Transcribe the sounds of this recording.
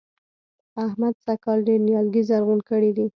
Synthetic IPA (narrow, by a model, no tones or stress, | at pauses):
ahmad̪sakɑlɖeɾnjɑlɡizaɾɣunkəɽid̪i